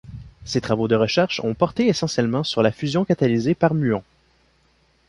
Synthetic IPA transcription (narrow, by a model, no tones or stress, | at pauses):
set̪χavod̪əʁəʃɛʁʃɔ̰̃pɔʁt̪eesɑ̃sjɛlmɑ̃syʁlafyzjɔ̃kat̪alizepaʁmyɔ̃